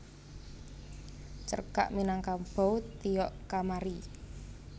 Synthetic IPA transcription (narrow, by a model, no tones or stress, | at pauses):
t͡ʃə̰rka̰ʔminaŋkamb̥ɔwt̪ijɔʔkamaɾi